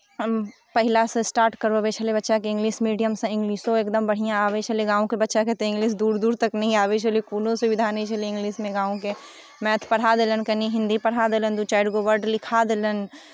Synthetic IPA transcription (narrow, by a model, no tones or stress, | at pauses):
pɐɦɪlasesʈaːɾʈkəɾoʋet͡ʃʰəlebɐtːʃakeɪ̃ŋɡliːsmiːɖijəmsẽɪ̃ŋɡliːʃõeːk̚d̪əmbɐɽ̤ijãaːʋet͡ʃʰəleɡãːõkebɐtːʃaket̪eɪ̃ŋɡliːs̬d̪uːɾd̪uːɾt̪ɐknɐɦĩaːʋet͡ʃʰəlekuːlõseʋɪd̪ʱaːnet͡ʃʰəleɪ̃ŋɡliːsmẽɡãːõke | mɛ̃ːt̪ʰpɐɽ̤ad̪eːlənkɐniɦɪ̃nd̪ipɐɽɦad̪eːlənd̪ut͡ʃaːɪɖɡoʋəɾɖlɪkʰad̪eːlən